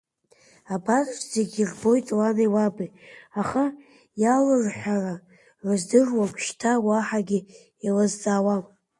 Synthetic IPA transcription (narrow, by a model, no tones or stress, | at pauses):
abatʼzeɡʲirbo̞jtʼlanejwabijaχa | jalazħʷᶣara | rɨzdɨrwakʷʰʃtʰawaħaɡʲi | alazd͡zʼaːwa